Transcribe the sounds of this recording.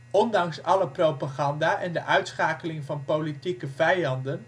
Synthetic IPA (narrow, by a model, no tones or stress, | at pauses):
ʔɔndɑŋsɑləprowpaːχɑndaːʔɛndəʔœɥtsχaːkəlɪŋvɑnpowlitikəvɛjɑndən